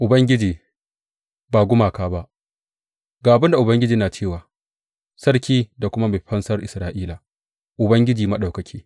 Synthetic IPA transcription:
ʔʊ˨bɐ˦ŋɡʲɪ˦d͡ʒiː˨ | baː˨ɡʷʊ˦maː˨kaː˦ba˦ʔ | ɡaː˨ʔa˨bɪ˦nda˨ʔʊ˨bɐ˦ŋɡʲɪ˦d͡ʒiː˦naː˨t͡ʃeː˦˨waː˨ | sɐ˦rkʲiː˦da˨kʷʊ˦ma˦ma˨ɸɐ˦nsɐ˦rʔɪ˨sɾaː˦ʔiː˦laː˨ | ʔʊ˨bɐ˦ŋɡʲɪ˦d͡ʒiː˨mɐ˦ɗa˨kɐ˨kʲʰiː˦

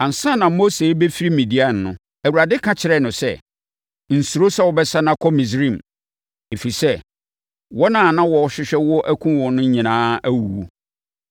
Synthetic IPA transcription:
ã˨n̩˨sã˦nã˨mo˦se˨˦be˦fi˦ɾi˦mĩ˨di˦a˦˨n˨nʊ̰̃˦ | æ˨wu˨ɾa˨dɪ˦kʰã˦t͡ɕʰɪ˨ɾɛ˨nʊ̃˨sɛ̰˦ | n̩˨su˨ɾo˦sɛ˦wɔ˨bɛ˦sa˦nã˦kʰɔ˦mĩ˨s̬ɾĩ˦˨m | e˨fi˨sɛ˦ | wɔ˦nã˦˨nã˦wɔ˨ɔ˨ɕᶣɪ˦ɕᶣɛ˦wɔ˦ʔæ˦kʷʰũ˦wɔ̃˨nʊ̃˦ɲĩ˨nãː˦æ˦wu˨wu˦

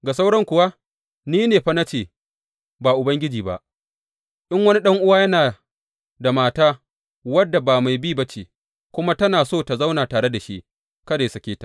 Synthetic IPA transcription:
ɡa˨s̬a˦wɽɔ˦ŋkʷʊ˨wa˦ | niː˦neː˨ɸa˦na˦t͡ʃeː˨ | baː˨ʔʊ˨bɐ˦ŋɡʲɪ˦d͡ʒiː˨ba̰˦ʔ | ʔɪ˦ŋwɐ˦ni˦ɗɐ˦ŋʔʊ˦waː˦jɐ˦naː˨ | da˨maː˨taː˦ | wɐ˦dːa˨baː˨ma˨jbiː˦bɐ˦t͡ʃeː˨ | kʷʊ˦ma˦tɐ˦naː˨soː˦˨ta˨za˦wnaː˨taː˨ɽe˦da˨ʃi˦ʔ | kɐ˦da˨jsɐ˨kʲeː˦tḁ˨

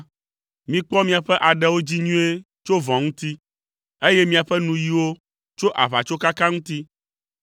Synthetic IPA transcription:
mĩ˦k͡pɔ˦mĩ˦a˨ɸɛ˦ʔa˨ɖɛ˨wo˦d͡ʑi˦ɲũ˦e˦ | t͡ʃo˦vɔ̃˨ŋũ˦t̪i˦ | e˦jɛ˦mĩ˦a˨ɸɛ˦nũ˨ji˦wo˦ | t͡ʃo˦ʔa˨βa˨t͡ʃo˦ka˦ka˦ŋũ˦t̪i˦

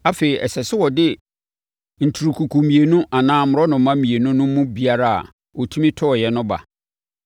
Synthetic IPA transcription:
a˦fe˨ɾi˨ʔɛ̰˨sɛ˨sɪ˦wɔ˨dɪ˦ | n̩˨tʰu˨ɾu˨kʰu˨kʰu˨mĩ˨e˨nʊ̃˦a˨nãː˦mʊ˨ɾɔ˦nʊ̃˨˦mã˦mĩ˨e˨nʊ̃˦nʊ̃˦mːʊ̃˦bi˦a˦ɾa˦a̰˨ | ɔ˨tʰu˦mĩ˦tʰɔ˦ɔ˨jɛ˨nʊ̃˦ba̰˨

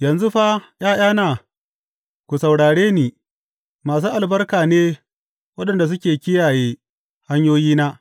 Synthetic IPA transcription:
jɐ˨nzu˦ɸa˦j̰aː˦j̰aː˦naː˨ | kʷu˨sɐ˨wɽaː˨ɽeː˦niː˨ | maː˨s̬uː˦ʔa˨lbɐ˦rkaː˨neː˦ | wɐ˦ɗɐ˨nda˨s̬ʊ˦kʲeː˨kʲɪ˦jaː˨jeː˦ | ha˦ɲjoː˦jiː˦naː˦

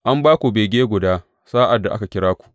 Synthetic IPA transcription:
ʔa˦mbaː˦kʷu˨be˨ɡʲeː˦ɡʷʊ˨daː˦ | saː˦ʔa˨dːa˨ʔa˦ka˨kʲɪ˦ɽaː˦kʷu̥˨ʔ

